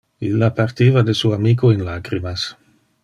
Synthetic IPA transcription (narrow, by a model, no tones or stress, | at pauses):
ilapaɾt̪ivad̪esuamikoenlakɾimas